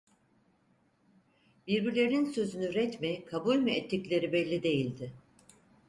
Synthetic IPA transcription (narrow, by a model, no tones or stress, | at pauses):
biɾbiɾlʲe̞ɾinsø̞zynyɾɛt̪mikʰabulʲmuɛt̪ʰːiclʲe̞ɾibɛlʲːid̪e̞jilʲd̪ɪ